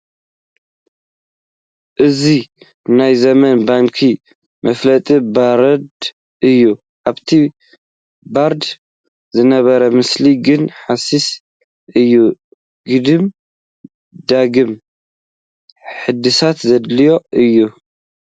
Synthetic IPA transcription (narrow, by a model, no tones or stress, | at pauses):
ʔɨzi | najzɐmɐnbaŋkʰi | mʔɐflɐt̪ʼibaɾɐd̪ | ʔɨjːu | ʔaβt̪ʰi | baɾd̪ | zɨnɐβɐɾɐmɨsliɡɨnħasis | ʔɨjːu | ɡ̥ɨd̪ɨm | d̪aɡɨm | ħɨd̪ːɨsat̪zɐd̪lijo̞ʔɨjːu